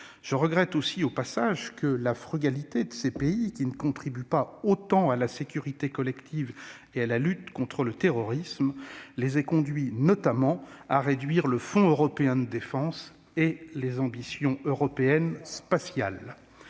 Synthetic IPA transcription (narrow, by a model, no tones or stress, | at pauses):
ʒ̥əʁəɡʁɛt̪osiopasaʒkəlafχyɡalit̪ed̪əsepeikʲinəkɔ̃t̪χibypaot̪ɑ̃alasekʲyʁit̪ekɔlɛkt̪ʰiv | ealalyt̪kɔ̃t̪χələt̪eʁɔʁismlezɛkɔ̃d̪ɥinɔt̪amɑ̃aʁed̪ɥiʁləfɔ̃øʁɔpeɛ̃d̪əd̪efɑ̃s | elezɑ̃bisjɔ̃øʁɔpeɛnspasjal